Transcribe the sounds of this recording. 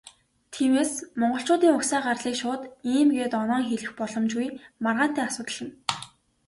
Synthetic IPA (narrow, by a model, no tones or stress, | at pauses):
t̪ʰiːmeːsmɔɴɢɞ̆ɬt͡ɕʊːt̪iːŋʊksæːɢarɮiːkʃʊːt̪iːmɡeːt̪ɔnɔːŋxeɮɘ̆xpɔɮɞ̆mt͡ɕɡujmarʁaːn̥t̪ʰæːasʊːt̪ə̆ɮə̆n